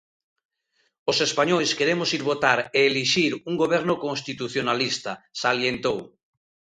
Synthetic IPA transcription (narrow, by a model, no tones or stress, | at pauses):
osespaɲojskeɾemosiɾβot̪aɾeːliʃiɾuŋɡoβ̞eɾnokoŋst̪it̪uθjonalist̪asaljent̪ow